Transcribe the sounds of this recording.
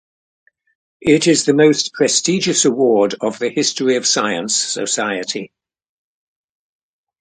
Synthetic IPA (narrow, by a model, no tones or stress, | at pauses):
ʔɪtɪzðəməʊspʰɹ̥ɛstiːd͡ʒəsəwɔːdəvðəhɪstəɹiəv̥saɪə̃nsə̰saɪətʰi